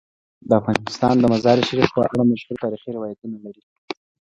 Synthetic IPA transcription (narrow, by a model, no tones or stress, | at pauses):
d̪əafɣɑnɪst̪ɑnd̪əmazɑɾɪʃaɾifpəʔaɽamaʃhuɾt̪ɑɾixiɾɪwɑjat̪unalaɾi